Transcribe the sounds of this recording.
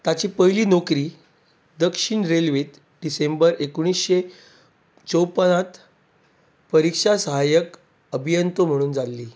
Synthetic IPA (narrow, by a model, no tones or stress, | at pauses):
t̪at͡ɕiːpəɦliːnokɾiː | d̪əkʂiɳɾelʋet̪ | ɖisembəɾekoɽ̃iːsɕe | t͡sowpənat̪ | pəɾikʂasəɦajək | əbʱijənt̪om̤əɽ̃uːnd͡zalːiː